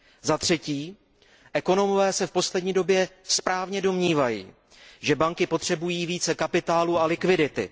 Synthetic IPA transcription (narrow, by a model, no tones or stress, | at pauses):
zat̪r̝̥ɛciː | ʔɛko̞no̞movɛːsɛfpo̞slɛdɲiːdo̞bjɛspɾaːvɲɛdo̞mɲiːvajḭː | ʒɛbaŋkɪpo̞t̪r̝̥ɛbujiːviːt͡sɛkapɪt̪aːluːalɪkvɪdɪt̪ɪ̰